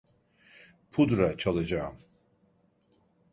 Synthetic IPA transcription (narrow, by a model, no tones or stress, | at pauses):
pʰud̪ɾat͡ʃʰalˠad͡ʒaːm